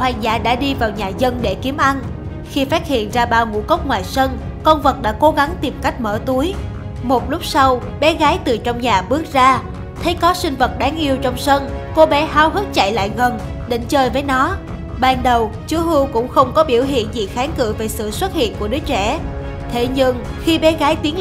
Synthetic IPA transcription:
hwaː˨˩nza̰ː˧˩ɗa̰ː˧˥ɗi˧vaː˨˩wɲaː˨˩zə˧nɗe˧˩ki˨˦əmʔa˧n | xi˧faː˦˥t̚hḭ˧˨ənzaː˧ɓaː˧wŋṵ˧˥kə˦˥wk͡p̚ŋwaː˨˩jsə˧n | kə˧wŋ͡mvə˨˩t̚ɗa̰ː˧˥ko˨˦ɣa˨˦ŋt̪i˨˩mka˦˥jk̟̚məː˧˩t̪u˨˦əj | mo˨˩t̚lʊ˦˥k͡p̚sa˧w | ɓɛ˨˦ɣaː˨˦jt̪ɨ˨˩t͡ɕɔ˧wŋ͡mɲaː˨˩ɓɨ˦˥ək̚zaː˧ | t̪ʰə˨˦jkɔ˨˦sï˧ŋ̟və˨˩t̚ɗaː˨˦ŋʔi˧əwt͡ɕɔ˧wŋ͡msə˧nko˨˦ɓɛ˨˦ɦaː˨˦wɦɨ˦˥t̚t͡ɕa̰˧˨jla̰ː˧˨jɣə˨˩nɗe˨˦n̟t͡ɕəː˧jvəː˨˦jnɔ˨˦ | ɓaː˧nɗə˨˩w | t͡ɕu˨˦ɦɨ˧wkʊ̰˧˥ŋ͡mxə˧wŋ͡mkɔ˨˦ɓḭ˧˩əwɦḭ˧˨ənzḭ˧˨˩xaː˨˦nkɨ̰˧˨ve˨˩sɨ̰˧˨swə˦˥t̚hḭ˧˨ənku˧˩əɗɨ˨˦ət͡ɕɛ̰˧˩ | t̪ʰe˨˦ɲɨ˧ŋxi˧ɓɛ˨˦ɣaː˨˦jt̪i˨˦ən

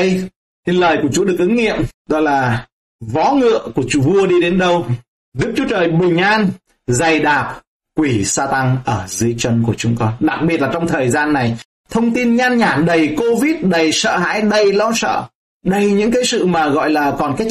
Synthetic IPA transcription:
j | t̪ʰi˨˩ləː˨˩jku˧˩ət͡ɕu˨˦ɗɨ˨˩ək̚ʔɨ˨˦ŋŋḭ˧˨əmɗɔ˨˦laː˨˩ | vɔ˨˦ŋɨ̰˧˨əku˧˩ət͡ɕu˨˧˦vu˧əɗi˧ɗe˨˦nɗə˧w | ɗɨ˦˥k̚t͡ɕu˨˦ət͡ɕəː˨˩jɓi˨˩ŋ̟ʔaː˧n | za˨˩jɗaː˨˩p̚ | kwi˧˩saː˧t̪a˧ŋʔəː˧˩zɨ˨˦əjt͡ɕə˧nku˧˩ət͡ɕʊ˨˦ŋ͡mkɔ˧nɗa˨˩k̚ɓi˨˩t̚laː˨˩t͡ɕɔ˧wŋ͡mt̪ʰəː˨˩jzaː˧nːa˨˩j | t̪ʰə˧wŋ͡mt̪i˧nɲaː˧nɲaː˧˩ɗə˨˩jko˧vi˦˥t̚ɗə˨˩jsə̰ː˧˨ɦa̰ː˧˥jɗə˨˩jlɔ˧wsə̰ː˧˨ | ɗə˧˩jɲɨ̰˧˥ŋkaː˨˦jsɨ̰˧˨maː˨˩ɣɔ̰˧˨jlaː˨˩kɔ˨˩nkaː˨˦˥j

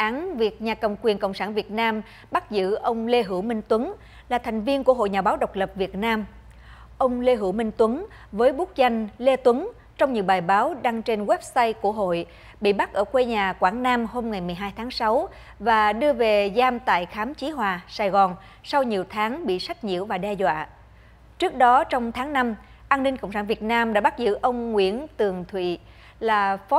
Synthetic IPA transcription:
ʔaː˨˦nvi˨˩ək̚ɲaː˨˩kə˨˩wŋ͡mkwi˨˩ənkə̰˧˨wŋ͡msaː˧˩nvi˨˩ət̚naː˧m | ɓa˦˥t̚zɨ̰˧˥ʔə˧wŋ͡mle˧ɦɨ˧˩wmï˧ŋ̟t̪wə˨˦n | laː˨˩t̪ʰa˨˩jŋ̟vi˧ənku˧˩əɦo̰˧˨jɲaː˨˩ɓaː˨˦wɗə˨˩wk͡p̚lə˨˩p̚vi˨˩ət̚naː˧m | ʔə˧wŋ͡mle˧ɦɨ˧˩wmï˧ŋ̟t̪wə˨˦n | vəː˨˦jɓu˦˥k̚za˧jŋ̟le˧t̪wə˨˦n | t͡ɕɔ˧wŋ͡mɲɨ̰˧˥ɓaː˨˩jɓaː˨˦wɗa˧ŋt͡ɕe˧nɣwɛ˦˥p̚saː˧jku˧˩əɦo̰˧˨j | ɓḭ˧˨ɓa˦˥k̚ʔəː˧˩kwe˧ɲaː˨˩kwaː˧˩nnaː˧mho˧mŋa˨˩jmɨ˨˩əjɦaː˧jt̪ʰaː˨˦ŋsa˨˦w | vaː˨˩ɗɨ˧əve˨˩zaː˧mt̪a̰ː˧˨jxaː˨˦mt͡ɕi˨˦ɦwaː˨˩saː˧˩jɣɔ˨˩n | sa˧wɲi˨˩əwt̪ʰaː˨˦ŋɓḭ˧˨sa˦˥jk̚ɲḭ˧˨əwvaː˨˩ɗɛ˧zwa̰ː˧˨ | t͡ɕɨ˦˥ək̚ɗɔ˨˦t͡ɕɔ˧wŋ͡mt̪ʰaː˨˦ŋna˧m | ʔaː˧nːï˧ŋkə̰˧˨ŋ͡ms̬aː˧˩nvi˨˩ət̚naː˧mɗa̰ː˧˥ɓa˦˥zɨ̰˧˥ʔə˧wŋ͡mŋwḭ˧˥ənt̪ɨ˨˩əŋt̪ʰwḭ˧˨ | laː˨˩fɔ˨˦

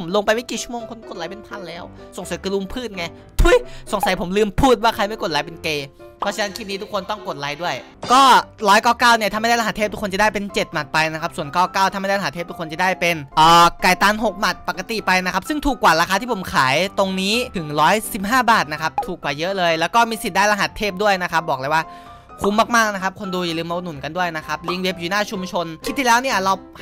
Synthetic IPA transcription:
mlo˧ŋpa˧jma˥˩jki˨˩t͡ɕʰu˥˩moː˧ŋkʰo˧nko˨˩t̪̚a˨˦pe˧npʰa˧˥nlɛː˦˥˩wso˨˩˦ŋsa˨˦kːlu˧mpʰɯː˥˩t̪̚ŋa˧˩j | t̪ʰu˧˥˩jso˨˩˦ŋsa˨˩˦jpʰo˩˦mlɯː˧mpʰuː˥˩t̪̚waː˥˩kʰa˧jma˥˩ko˨˩t̪̚la˨˦jpe˧nkeː˧pʰt͡ɕʰa˧na˦˥nkʰiː˦˥˩niː˦˥t̪ʰu˦˥kʰo˧nt̪ɔ˥˩ŋko˨˩t̪̚laː˨˦jdu˥˩əj | kɔː˥˩lɔː˦˥jkɔː˧˥˩kaː˥˩wni˥˩a˧ma˥˩˧a˥˩la˧a˧˦t̪ʰeː˥˩t̪u˦˥kʰːo˧nt͡ɕa˨˩daː˥˩pe˧nt͡ɕe˨˩t̪̚ma˨˩t̪̚pa˧jna˦˥kʰa˦˥p̚su˨˩ənkɔː˧˩kaː˥˩wt̪a˧ma˥˩˧aː˥˩lːt̪ʰeː˥˩t̪ʰu˦˥kʰːo˧nt͡ɕa˨˩daː˥˩jpe˧nʔɤː˨˩ka˨˩jt̪aː˧nɦo˨˩k̚ma˨˩t̪̚pa˨˩kːa˧t̪i˨˩pa˧jna˦˥kʰa˦˥p̚sɯ˥˩ŋt̪ʰuː˨˩kːwaː˨˩ɾaː˧xaː˧t̪ʰi˥˩pʰo˩˦mkʰaː˩˦jt̪o˧ŋniː˦˥t̪ʰɯ˨˩˦ŋɾɔː˦˥jsi˨˩p̚ɦaː˥˩baː˨˩t̪̚na˦˥kʰa˦˥p̚t̪ʰuː˨˩kwaː˨˩jɤ˦˥ʔlɤː˧jlɛː˦˥wkɔː˥˩miː˧si˨˩daː˥˩jla˧ɦa˨˩˦t̪ʰːeː˥˩p̚du˥˩əjna˦˥kʰa˦˥p̚bɔː˨˩k̚laː˧˩jwaː˥˩ | kʰu˧˦mːaː˥˩k̚maː˥˩k̚na˦˥kʰa˦˥p̚kʰo˧nduː˧ja˨˩lɯː˧ma˧nːu˨˩nka˧ndu˥˩əjna˦˥kʰa˦˥p̚li˦˥ŋwe˦˥p̚juː˨˩naː˥˩t͡ɕʰu˧mt͡ɕʰo˧nkʰi˦˥t̪ʰːi˥˧lɛː˦˥wni˥˩ɐɾa˧w

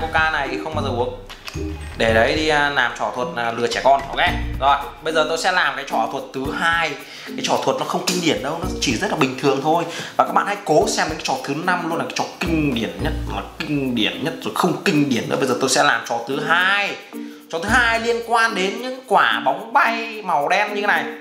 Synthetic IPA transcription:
ko˧kaː˧na˨˩jʰi˨˩xə˧ŋ͡mɓaː˧zɔ˨˩ʔ | ɗe˧˩ɗə˨˦jɗi˧laː˨˩mt͡ɕɔ˧˩t̪ʰwə˨˩t̚ːlɨ˨˩ət͡ɕɛ˧˩kɔ˧nhɔ˧˩wkʔɛ˧zo˨˩jɓə˧jzəː˨˩t̪o˧jsɛ̰˧˥laː˨˩mkaː˨˦jt͡ɕɔ˧˩t̪ʰwə˨˩t̚t̪ʰɨ˨˦ɦaː˧j | kaː˨˦jt͡ɕɔ˧˩t̪ʰwə˨˩t̚nɔ˨˦xə˧wŋ͡mkï˧ŋ̟ɗi˧˩ənɗə˧wnɔ˨˦˧t͡ɕi˧˩zə˦˥t̚la˨ɓï˩ŋ̟t̪ʰɨ˨˩əŋt̪ʰo˧jvaː˨˩kaː˦˥k̚ɓa̰ː˨nha˧jko˨˦sɛ˧mɗe˨˧˦ŋkːt͡ɕɔ˧˩t̪ʰɨ˨˦na˧mlənlːkaː˨˦t͡ɕɔ˧˨˩kï˧ŋ̟ɗi˧˩ənɲə˦˥t̚maː˨˩kï˧ŋ̟ɗi˧˩ənɲə˦˥t̚zo˨˩jxə˧wŋ͡mkï˧ŋ̟ɗi˧˩ənɗɨ̰˧˥˦ɓə˧jzəː˨˩t̪o˧jsɛ̰˧˥laː˨˩mt͡ɕɔ˨˩t̪ʰɨ˨˦ɦaː˧jt͡ɕɔ˨˩t̪ʰɨ˨˦haː˧jli˧ənkwaː˧nɗe˨˦nɲɨ̰˧˥ŋkwaː˧˩ɓa˨˦wŋ͡mɓa˧jma˨˩wɗɛ˧mɲɨ˧e˦na˨˩j

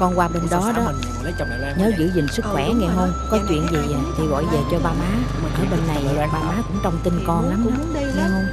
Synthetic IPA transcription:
kɔ˧nkwaː˧ɓe˧nɗɔ˨˦ɗɔ˨˦˨ | ɲəː˨˦zɨ̰˧˨zï˨˩ŋ̟sɨ˦˥k̚xwɛ˧˩ŋɛ˧ɦə˧wŋ͡mkɔ˨˦t͡ɕwḭ˧˨ənzi˨˩˨t͡ɕʰi˨˧˩ɣɔ̰˧˨jve˨˩t͡ɕɔ˧ɓaː˧maː˨˦˨ʔa̰ː˧˩˦ɓe˧nːa˨˩jɓaː˧wmaː˨˦kʊ̰˧˥ŋ͡mt͡ɕɔ˧wŋ͡mt̪i˧nkɔ˧nla˨˦mkʊ̰˧˥˦ŋɛ˧hə˧wŋ͡m

